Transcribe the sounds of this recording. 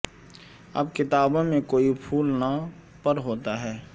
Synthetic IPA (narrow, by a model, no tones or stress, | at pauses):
ɐ̰b̚kɪt̪aːbõmẽkoːipʰuːlna | pəɾɦoːt̪aɦɛː